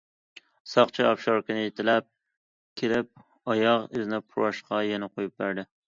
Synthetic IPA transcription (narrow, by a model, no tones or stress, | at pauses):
sɑqt͡ʃʰɪɒpʃɑɾkʲɪnɪjet̪ʰɪlæp̚ | kʲʰelɪp̚ | ɒjɑʁɪznɪpʰʊɾɑʃqɑjɛnɪqʰojup̚bæɾd̪ɪ